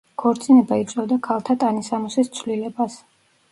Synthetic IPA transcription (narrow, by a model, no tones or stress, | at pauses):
kʰɔɾt̪sʼinɛbait̪sʼɛd̪akʰalˠt̪ʰat̪ʼanisamusist̪sʰvlilɛbas